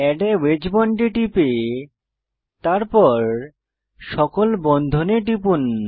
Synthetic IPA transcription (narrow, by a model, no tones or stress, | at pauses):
ɛɖewed͡ʑbɔɳʈiʈipe | t̪aɾpɔɾ | ʃɔkolbɔnd̪ʱoneʈipun